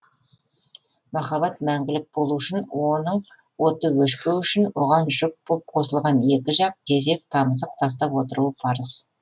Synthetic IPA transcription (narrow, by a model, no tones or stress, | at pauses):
mɑχɑbɑt̪̚mæŋɡʲɪlɪk̚bo̞lˠuɪʃɪnwo̞nəɴ | wo̞t̪əwɵʃpewʏʃɪnwo̞ʁɑnʒʊq̚bop̚qʰo̞səlˠʁɑne̞kʲɪʒɑq̚kʲʰe̞ze̞k̚t̪ʰɑməsəq̚t̪ʰɑs̬t̪ɑpwo̞t̪əɾuəpʰɑɾəs